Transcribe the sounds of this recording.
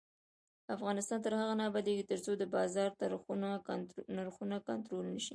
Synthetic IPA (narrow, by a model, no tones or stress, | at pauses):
afɣɑnɪst̪ɑnt̪əɾhaɣanɑbad̪eɡit̪əɾt͡sod̪əbɑzɑɾt̪aɾxunanaɾxunakant̪ɾolnəʃi